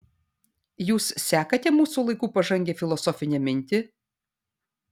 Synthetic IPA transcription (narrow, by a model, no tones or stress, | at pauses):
juːssʲæːkɐt̪ʲɛmuːsuːlˠɐɪkuːpɐʒɐŋʲɡʲefʲɪlˠɔsɔfʲɪnʲɛmʲɪnʲt̪ʲɪ